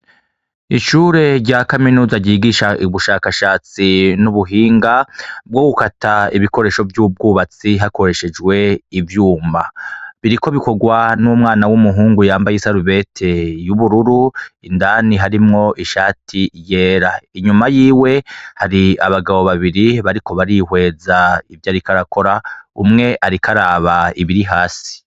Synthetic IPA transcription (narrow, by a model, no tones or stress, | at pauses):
iʃuɾe̞ɾɟaːkaminuːzaɟiːɡiʃaiβuʃaːkaʃaːt͡sinuβuɦiːŋɡab̚ɡo̞ɡukataiβiko̞ɾe̞ːʃo̞vjuːb̚ɡuːβat͡siɦako̞ɾe̞ʃe̞d͡ʒɡwe̞ivjuːmaβiɾiko̞βiko̞ɡwanumŋaːnawumuɦuːŋɡujaːmbajesaɾuβe̞tʰe̞juβuɾuɾuindaːniɦaɾimŋo̞ʔiʃaːtʰije̞ːɾaiɲumajiːwe̞haɾiaβaɡaβo̞βaβiɾiβaɾiko̞βaɾihwe̞ːzaivjaːɾikaɾako̞ɾaumŋe̞ʔaɾikaɾaːβaiβiɾiɦaːsi̥